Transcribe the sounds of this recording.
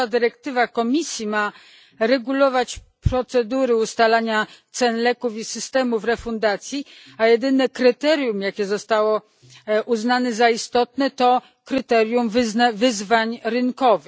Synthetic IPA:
ad̪ɘɾɛk̚t̪ɘvakɔmʲisʲjima | ɾɛɡulɔvat͡ɕ | pɾɔt̪sɛd̪uɾɘust̪alaɲat̪sɛnlɛkufisɘst̪ɛmufɾɛfund̪at̪sʲjiajɛd̪ɘnɛkɾɘt̪ɛɾjumjakʲɛzɔst̪awɔ | uznanɛzaist̪ɔt̪nɛt̪ɔ | kɾɘt̪ɛɾjumvzvɘzvaɲɾɘnkɔvɘx

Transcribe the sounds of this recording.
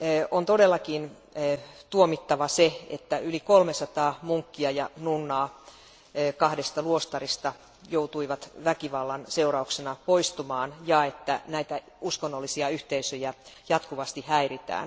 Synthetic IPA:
ont̪odelːɑkinː | t̪uomit̪ːɑʋɑseḛt̪ːæylikolmesɑt̪ɑːmuŋkːiɑjɑnunːɑː | kɑhdest̪ɑluost̪ɑrist̪ɑ | jout̪uiʋɑt̪ʋækiʋɑlːɑnseurɑuksenɑpoist̪umɑːnjɑet̪ːænæit̪æ | uskonːolːisiɑyht̪eisøjæjɑt̪kuʋɑst̪ihæirit̪æ̰ːn

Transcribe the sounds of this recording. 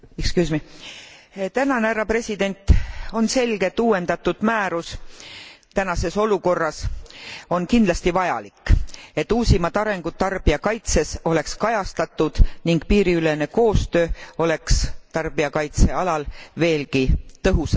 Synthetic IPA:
kskysmi | t̪ænɑneæɾɑpre̞sʲid̪e̞nʲt̪o̞nse̞lɡ̥e̞t̪ːuːwe̞nd̪̥ɑt̪ːud̪̥mæːɾus | t̪ænɑse̞so̞luko̞rːɑs | o̞nkind̪lɑst̪ivɑjɑ̰likːe̞t̪ːuːsʲimɑt̪ɑɾe̞ŋɡ̥ud̪̥̚t̪ɑrb̥iɑkɑjt̪se̞so̞le̞kskɑjɑst̪ɑt̪ːˑud̪̥niŋɡ̥piːɾiylene̞ko̞ːst̪ø̞ːo̞le̞kst̪ɑrb̥iɑkɑjt̪se̞ɑlɑlve̞ːlkit̪ɤɦusɑ

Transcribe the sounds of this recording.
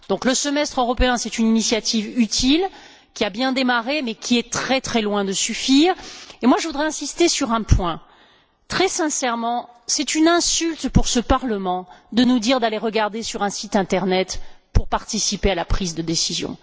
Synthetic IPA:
d̪̥ɔ̃kləsəmɛst̪χøʁɔpeɛ̃sɛt̪yninisjat̪ʰivyt̪ʰil | kʲiabjɛ̃d̪emaʁemɛkʲʰiɛt̪χɛt̪χɛlwɛ̃d̪əsyfiːʁemwaʒəvud̪ʁɛɛ̃sist̪esyʁɛ̃pwɛ̃ | t̪χɛsɛ̃sɛʁmɑ̃sɛt̪ynɛ̃sylt̪puʁsəpaʁləmɑ̃d̪ənud̪iʁd̪aleʁəɡaʁd̪esyʁɛ̃sit̪ɛ̃t̪ɛʁnɛt̪puʁpaʁt̪isipealapχizd̪əd̪esizjɔ̰̃

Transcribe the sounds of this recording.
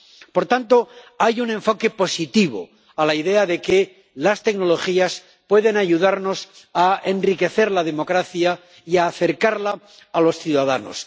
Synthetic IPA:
po̞ɾt̪ant̪o̞ | ajunẽ̞ɱfo̞ke̞po̞sit̪iβo̰ | alaiðe̞aðe̞ke | last̪e̞kno̞lo̞xias | pwe̞ðe̞naʝuðaɾno̞sae̞nrike̞θe̞ɾlaðe̞mo̞kɾaθja | iaːθe̞ɾkaɾlaː | lo̞sθjuðaða̰no̰s

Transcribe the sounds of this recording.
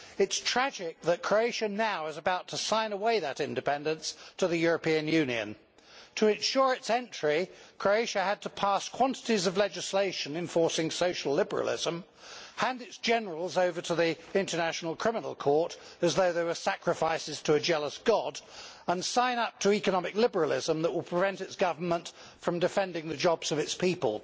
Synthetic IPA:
ɨtstʰɹ̥æd͡ʒɪk̚ðɨt̚kʰɹ̥oʊeɪʃɨnaʊɪzəbaʊtʰəsãɪ̃nəweɪðɨɾɪ̃ndɨpʰɛ̃ndɨ̃nstʰəðɨjʊɹɨpĩɨ̃njʉ̃niɨ̰̃n | tʰəɨ̃nʃʊɹɨtsɛ̃nt͡ʃɹ̥ikʰɹ̥oʊeɪʃɨɨd̚tʰəpʰæskʰw̥ɑ̃ntɨɾizʌvlɛd͡ʒɨsleɪʃɨ̃nɨ̃ɱfɔɹsɪ̃ŋsoʊʃl̩ˠlɪbə˞ə̰lˠɪ̰zə̃m | hæ̃ndɨtsd̥ʒ̥ɛnə˞əl̩ˠzoʊvə˞ɾʰəðiɪ̃ntə˞næʃn̩l̩ˠkʰɹ̥ɪmənl̩ˠkʰɔɹɾɨzðoʊðə˞wə˞sækɹɨfaɪsɨz̥tʰəɨd͡ʒɛlˠəsɡ̥ɑdə̃nsãɪ̃nʌp̚tʰəikənɑmɨklɪbə˞əl̩ˠɪ̰zə̃mðəʔwəlˠpʰɹ̥ɨvɛ̃ntɨtsɡ̥ʌvə˞mə̃nt | fɹʌ̃mdɨfɛ̃ndɪ̃ŋðɨd͡ʒɑbz̥ʌvɨtspʰipə̰lˠ

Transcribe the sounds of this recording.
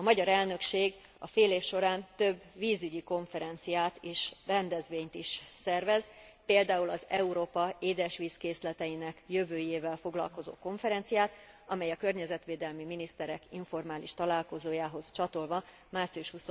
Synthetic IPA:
ɒmɒɟɒɾɛlnø̞kʃeːɡ | ɒ̰feːleːfʃo̞ɾaːnt̪ø̞bːviːzyɟiko̞ɱfɛɾɛnt̪sijaːt̪eːʃrɛnd̪ɛzʋeːɲt̪iʃsɛrvɛzpeːld̪aːulɒzɛuɾoːpɒeːd̪ɛʃʋiːskeːslɛt̪ɛjinɛkjøvøːjeːvɛlfo̞ɡlɒ̰lko̞zo̰ːko̞ɱfɛɾɛnt̪sijaːt̪ | ɒmɛjɒkø̞rɲɛzɛt̪ʋeːd̪ɛlmiminist̪ɛɾɛkiɱfo̞rmaːliʃt̪ɒlaːlko̞zoːjaːɦo̞zt͡ʃɒt̪o̞lvɒ | maːrt̪sijuʃhuso

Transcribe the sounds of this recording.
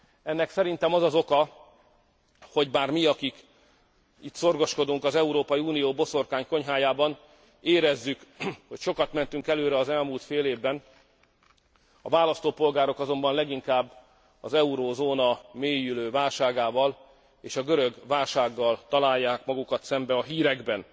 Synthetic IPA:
ɛnːɛksɛɾint̪ɛmɒzɒzo̞kɒ | ho̞ɟbaːrmiɒkik | it̪so̞rɡo̞ʃko̞d̪uŋkɒzɛuɾoːpɒjiuːnijoːbo̞so̞rkaːɲko̞ɲɦaːjaːbɒn | eːɾɛzːykho̞cʃo̞kɒt̪mɛnt̪yŋkɛløːɾɛɒzɛlmult̪feːleːvbɛn | ɒvaːlɒst̪oːpo̞lɡaːɾo̞kɒzo̞mbɒnlɛɡiŋkaːbː | ɒ̰zɛuɾoːzoːnɒmeːjyløːvaːlʃaːɡaːvɒl | eːʃɒɡøɾøɡvaːlʃaːɡːɒlt̪ɒlaːjːaːkmɒɡukɒt̪sɛmbɛɒɦiːɾɛɡbɛn

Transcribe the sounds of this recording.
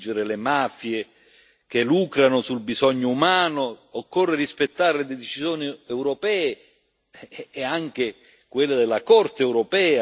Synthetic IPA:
d͡ʒɪɾɪlemafje | k̟eluːkɾanʊsulbizɔɲːʊumaːnʊːkːorːerispet̪ːaɾeled̪ɛd̪et͡ʃisjoːniɛwɾɔpɛːe | aŋk̟e | kwelːɪd̪ɪlːakɔrt̪eɛwɾɔpɛːa

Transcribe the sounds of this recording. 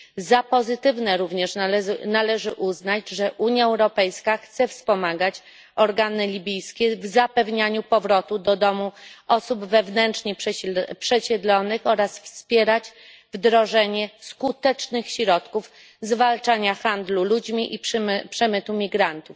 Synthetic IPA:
zapɔzɘt̪ɘvnɛɾuvɲɛʂnalɛʐɘʔuznad͡ʑʐɛʔuɲjaɛwɾɔpɛjskaxt̪sɛfspɔmaɡat͡ɕ | ɔɾɡanɘlʲibʲijskʲɛvzapɛvɲaɲupɔvɾɔt̪ud̪ɔd̪ɔmuʔɔsubvɛvnɛnt͡ʂɲepʂɛɕɛd̪lɔnɘxɔɾasfspʲjɛɾat͡ɕ | vd̪ɾɔʐɛɲɛskut̪ɛt͡ʂnɘxɕɾɔt̪kuf | zvalt͡ʂaɲaxand̪lulud͡ʑmʲiʔippʂɛmɘt̪umʲiɡɾant̪uf

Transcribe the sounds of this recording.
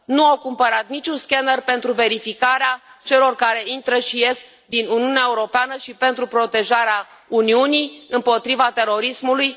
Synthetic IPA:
nuawkumpəɾat̪nit͡ʃʲunskʲenərpe̞nt̪ɾuve̞ɾifikaɾeat͡ʃe̞lo̞rkaɾe̞int̪ɾəʃije̞sk̚ | d̪inuniuneaeuɾo̞peanəʃipe̞nt̪ɾupɾo̞t̪e̞ʒaɾea | uniunijɨmpo̞t̪ɾivat̪e̞ɾo̞ɾismuluj

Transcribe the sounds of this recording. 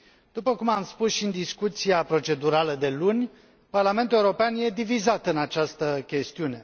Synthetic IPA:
d̪̥upəkumamspusʃind̪iskut̪siapɾo̞t͡ʃe̞d̪uɾaləd̪e̞lunʲ | parlame̞nt̪ule̞uɾo̞peanje̞d̪ivizat̪ɨnat͡ʃast̪əkʲe̞st̪iune̞

